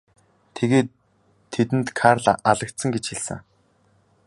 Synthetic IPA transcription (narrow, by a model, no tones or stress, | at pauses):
t̪ʰeɣeːt̪ʰː | et̪ɘ̆nt̪kʰarɮaʔaɮə̆k̚t̪sə̆ŋɡet͡ɕxiɮsɘ̰̆ŋ